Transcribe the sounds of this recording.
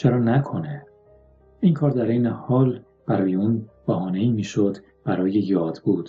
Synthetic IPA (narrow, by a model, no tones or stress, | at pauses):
t͡ʃʰeɾɒːnækʰo̞ne | ʔiːŋkʰɒːɾd̪æɾejnehɒːl | b̥æɾɒːjeuːnb̥æhɒːne̞iːmiːʃod̪ | b̥æɾɒːjejɒːd̪̥buːd̪̥